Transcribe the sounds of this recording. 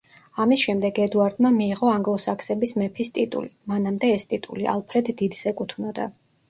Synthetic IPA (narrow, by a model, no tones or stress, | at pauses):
amisʃɛmd̪ɛɡɛd̪uaɾd̪mamiːʁɔaŋɡlˠɔsakʰsɛbismɛpʰist̪ʼit̪ʼṵlimanamd̪ɛːst̪ʼit̪ʼuliʔa̰lˠpʰɾɛd̪ːid̪sɛkʼut̪ʰvnɔd̪a̰